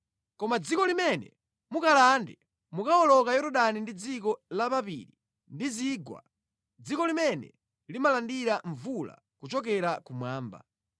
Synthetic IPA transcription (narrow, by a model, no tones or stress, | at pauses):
kɔmad͡zikɔlimɛnɛ̰ | mukalandɛ | mukaɔlɔkajɔɾɔɗanindid͡zikɔlapapḭɾi | ndiziːɡwa̰ | d͡zikɔlimɛnɛ̰ | limalandiɾaɱvula̰ | kut͡ʃɔk̬ɛɾakumwaːmba̰